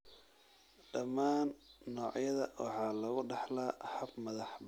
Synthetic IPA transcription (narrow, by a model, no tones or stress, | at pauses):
ɖ̥ɐmaːnːɔːʕjɐðɐwɑ̰ħɑːlɐɣʊɖɑħlaːhɐbmɐðɑħb